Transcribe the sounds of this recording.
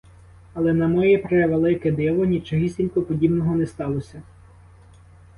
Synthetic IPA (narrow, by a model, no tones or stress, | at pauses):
ɐlˠɛnɐmɔjɛpɾɛʋelˠɪkɛd̪ɪʋɔnʲit͡ʃɔɦisʲtʲilʲkɔpɔdʲibnɔɦɔnɛst̪ɑlˠɔsʲɐ